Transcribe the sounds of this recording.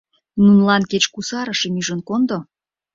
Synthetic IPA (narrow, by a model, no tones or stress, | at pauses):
nunlɑnket͡ɕkusɑɾəʃemyʒə̆nkond̪o